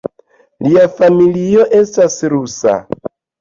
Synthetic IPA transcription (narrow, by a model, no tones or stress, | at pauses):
liafamilio̞ʔe̞stasɾusa̰